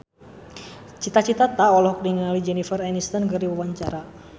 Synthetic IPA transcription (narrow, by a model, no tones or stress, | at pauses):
t͡ʃit̪at͡ʃit̪at̪aɔlɔɦɔk̚diŋanalid͡ʒɛnifərɛnist̪ankərdiwawaɲt͡ʃaɾa